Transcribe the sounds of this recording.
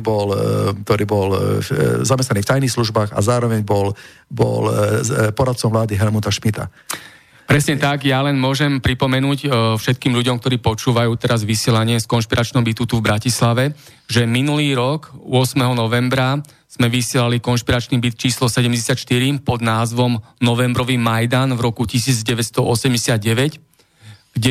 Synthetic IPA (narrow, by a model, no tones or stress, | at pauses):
bɔlkt̪ɔɾiːbɔl | zamɛst̪aniːft̪ajniːxsluʒbaːɣa̰zaːɾɔʋɛɲbɔl | bɔ̰lpɔɾat̪̚t͡sɔmʋlaːd̪iɦɛlmut̪aʃmit̪a̰ | pɾɛsɲɛt̪aɡjalɛnmʊɔʒɛmpɾipɔmɛnuːcfʃɛt̪̚kiːmʎuɟɔmkt̪ɔɾiːpɔt͡ʃuːʋajuːt̪ɛɾazʋisɪɛlaɲɪɛskɔnʃpiɾat͡ʃnɔmbit̪ut̪uvbɾacislaʋɛ | ʒɛminuliːɾɔkʊɔsmɛɦɔnɔʋɛmbɾa | z̥mɛʋisɪɛlalikɔnʃpiɾat͡ʃniːbit̪t͡ʃiːslɔsɛɟɛmɟɛsɪat̪ʃt̪iɾimpɔd̪naːzʋɔm | nɔʋɛmbɾɔʋimajd̪anvɾɔkucisiːd͡zɟɛʋɛt̪st̪ɔʔɔsɛmɟɛsɪad̪̚ɟɛʋɛc | ɡ̥ɟɛ